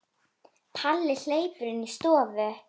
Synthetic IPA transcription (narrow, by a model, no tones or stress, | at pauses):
pʰalːɪl̥eːjpʏɾɪnist̪ɔːvʏ